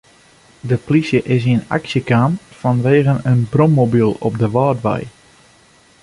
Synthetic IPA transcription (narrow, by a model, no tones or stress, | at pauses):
dəplisjəʔɪs̬ina̰ksjəkaːmfɔnʋeːɣənənbromːobilˠɔp̚dəʋɑːdʋɛ̰j